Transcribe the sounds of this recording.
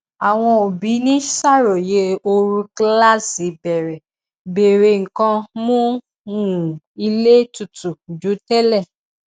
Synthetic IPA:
a˨w̃ɔ̃˧o˨bi˨˦nĩ˦sa˦˨ɾo˨je˨˧˦o˧ɾũ˧kla˦si˨˦bɛ˨ɾɛ˨ | be˨ɾe˨ŋ̩˨kã˧mũ˦˨ | ũ˨ | i˧le˦tu˧˨tu˨d͡ʒu˨˦tɛ˦lɛ˦˨

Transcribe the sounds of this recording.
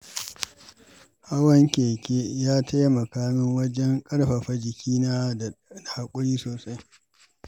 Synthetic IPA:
ha˦wɐ˦ŋkʲeː˨kʲe˦jaː˦tʰa˦jmɐ˨kaː˦mɪ˦ŋwɐ˦d͡ʒɛ˦ŋkʼɐ˦ɽɸɐ˨ɸɐ˦d͡ʒɪ˨kʲʰiː˦naː˦˨da˨ha˨kʷʼʊ˦ɽiː˦soː˨sa˦j

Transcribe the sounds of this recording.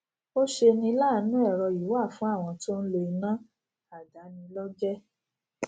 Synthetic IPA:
o˦ʃe˧nĩ˧˦la˦˨˦nũ˦ɛ˦˨ɾɔ˧ju˨˦wa˦˨fũ˨˦a˦˨w̃ɔ̃˧to˦n̩˦lo˧i˧nã˦ | a˨da˨˦nĩ˧lɔ˦d͡ʒɛ˦

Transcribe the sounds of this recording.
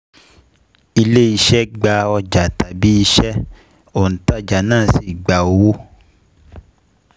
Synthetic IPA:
i˧le˦i˧ʃɛ˦ɡ͡ba˧ɔ˧d͡ʒa˨ta˨bi˨˦i˧ʃɛ˦ | o˨n̩˨ta˦d͡ʒa˨nãː˦˨si˦˨ɡ͡ba˨o˨wo˦

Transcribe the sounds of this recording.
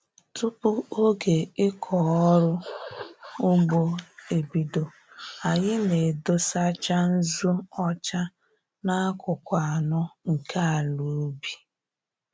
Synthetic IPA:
tʊ˦pʊ˦o˦ɡe˨ɪ˦kʰɔ˨ɔ˦ɾʊ˦ | ʊ˦ɡ͡bo˦e˨bi˨do˨ | a˨ɲɪ˦ne˨do˦sa˦t͡ʃa˦n̩˦zu˦ɔ˦t͡ʃa˦ | na˦kʷʊ˨kʷa˨a˨nʊ˦ŋ̩˨ka˦a˨lu˨˦bi˨

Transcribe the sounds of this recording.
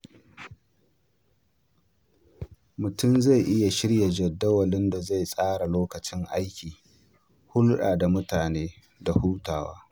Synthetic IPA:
mʊ˨tʊ˦˨mza˦˨jʔɪ˦ja˨ʃɪ˦ɽja˨d͡ʒɐ˨dːɐ˦wɐ˨lɪ˦nda˨za˦˨jsʼaː˦ɽa˨loː˦kɐ˨t͡ʃɪ˦ŋʔa˦jkʲiː˨ | hʊ˦lɗa̰ː˨da˨mʊ˦taː˨neː˦ | da˨huː˦taː˨wa̰ː˦

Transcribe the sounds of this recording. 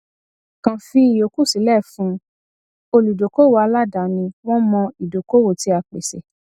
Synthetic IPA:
kã˨fĩ˧i˨jo˨ku˦˨si˨˦lɛ˦˨fũ˨˦ | o˧lu˨do˨ko˦wo˨˦a˧la˦da˨˦nĩ˧w̃ɔ̃˦mɔ̃˧i˨do˨ko˦wo˦˨ti˧˦a˧k͡pe˨se˨

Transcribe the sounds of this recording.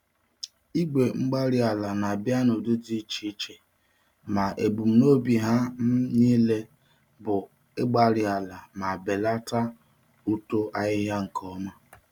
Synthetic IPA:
i˦ɡʷe˨ŋ͡m̩˦ɡ͡ba˦ɾɪ˨a˨la˨na˨a˨bja˦no˨du˦di˦t͡ʃi˦t͡ʃe˨ | ma˨ʔe˨bu˨m̩˦no˦bi˨ɦa˦m̩˦niː˦le˦ | bʊ˨ | ɪ˦ɡ͡ba˦ɾɪ˨a˨la˨ma˨be˨la˦ta˦ | u˦to˦ʔa˨ɣɪ˦ɦja˦ŋ̩˨kʰɔ˦ma˦

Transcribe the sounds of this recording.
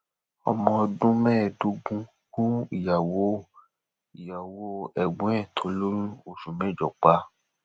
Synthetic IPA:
ɔ̰˨mɔ̃˧dũ˦mɛ̃ː˦˨du˨˦ɡũ˦ | kũ˦i˨ja˨wo˦ | i˨ja˨wo˦ɛ˨ɡ͡bũ˨˦ɛ̃˦˨tʰo˨˦lo˦ɾu˦o˨ʃu˨mɛ̃˨˦˨d͡ʒɔ˨k͡pa˨˦

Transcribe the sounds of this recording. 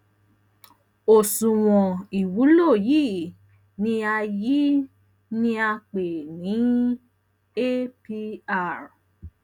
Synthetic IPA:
o˨sũ˨w̃ɔ̃˨i˨wu˨˦lo˦˨ji˦˨ | nĩ˧a˧ji˦ | nĩ˧a˧k͡pe˨nĩ˨˦ | e˦pi˦˧a˦˨ɾ

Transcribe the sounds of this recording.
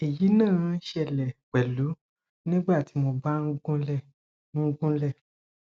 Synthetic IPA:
e˨ji˨˦nãː˦˨˦ʃɛ˧lɛ˨k͡pɛ˨lu˨˦ | nĩ˦ɡ͡ba˦˨ti˨˦mo˧ba˦n̩˦ɡũ˦lɛ˦˨ | n̩˦ɡũ˦lɛ˦˨

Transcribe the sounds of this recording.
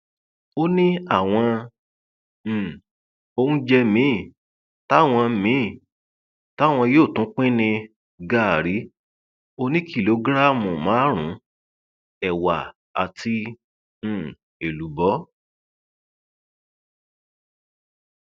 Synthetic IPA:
o˦nĩ˦a˦˨w̃ɔ̃˧˨ | o˧nũ˦d͡ʒɛ˧mĩ˦˨ | ta˦˨w̃ɔ̃˧mĩ˨˦˨ | ta˦˨w̃ɔ̃˧joː˦˨tũ˨˦k͡pĩ˦nĩ˧ | ɡa˦˨ɾi˨˦ | o˧nĩ˦kʰi˦˨lo˧ɡɾa˦˨mũ˨mã˨˦ɾ̃ũ˨˦ | ɛ˨wa˨ | a̰˨tʰĩ˧˨ | e˨lu˨˦bɔ˨˦

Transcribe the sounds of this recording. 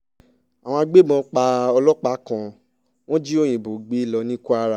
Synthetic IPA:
a˨w̃ɔ̃˧a˧ɡ͡be˦mɔ̃˧k͡pa˧ɔ˧lɔ˦k͡pa˦kã˧ | w̃ɔ̃˦d͡ʒi˦o˦j̃ĩ˨bo˨ɡ͡be˨˦i˦˨lɔ˧nĩ˦ku˦a˧ɾa˧˨

